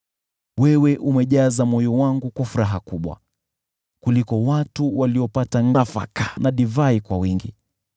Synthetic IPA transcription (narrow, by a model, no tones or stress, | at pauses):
wɛwɛʔumɛʄazamɔjɔwaŋɡukwafuɾaɦakuɓwa̰ | kulikɔwatuwaliɔpataŋɡafa̰kanaɗivaikwawiŋɡi